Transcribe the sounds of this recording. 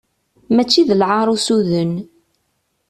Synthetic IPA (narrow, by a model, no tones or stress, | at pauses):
mæt͡ʃːiðəlʕəɾˤusuðən